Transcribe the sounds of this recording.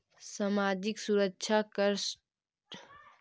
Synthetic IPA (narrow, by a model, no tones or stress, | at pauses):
samaːd͡ʒɪksuɾəkːʃʰakəɾs